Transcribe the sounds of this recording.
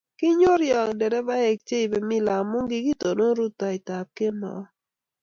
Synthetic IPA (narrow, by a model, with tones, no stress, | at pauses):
kɪ˦ɲo˦ɾjɔ˨kdɛ˨dɛ˦ba˦e˨k̚t͡ʃe˦i˨be˨mi˦la˨mʊ˦ŋɡi˦ɡi˦to˨no˦ɾu˦ta˨ɪ˨ta˨p̚ke˦mɔ̰˨˦